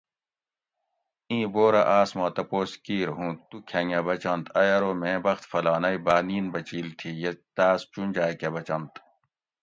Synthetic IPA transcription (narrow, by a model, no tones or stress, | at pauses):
ĩːboːɾa̰ʔaːsmãːt̪ɐpoːskiːɾɦũːt̪ukʰɐŋebɐt͡ɕɐnt̪ʰɐjɐɾoːmẽːbɐxt̪fɐlaːnɐibaːniːnbɐt͡ɕiːlt̪ʰijet̪aːst͡ɕund͡ʑaːkebɐt͡ɕɐnt̪